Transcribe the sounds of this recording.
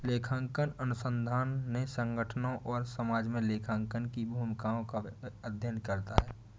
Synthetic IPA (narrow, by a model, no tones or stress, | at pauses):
leːkʰãːŋkənənʊsə̃nd̪ʱaːnːesə̃ŋɡəʈʰənõʔɔːɾsəmaːd͡ʒmẽleːkʰãːŋkənkibʱuːmkaːõkaəd̪ʱjənkəɾt̪aɦɛː